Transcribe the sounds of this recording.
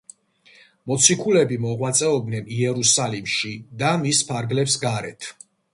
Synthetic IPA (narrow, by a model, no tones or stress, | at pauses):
mɔt̪sʰikʰulɛbimɔʁwat̪sʼɛɔbnɛniɛɾusalimʃid̪amispʰaɾɡlɛpsɡaɾɛ̰t̪ʰ